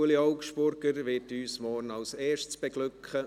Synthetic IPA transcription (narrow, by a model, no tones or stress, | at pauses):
əliɑʊkʃpʊɾɡəɾʋɪːtyːsmɔɾnɑlseːʃtsb̥ɛɡlʏkχə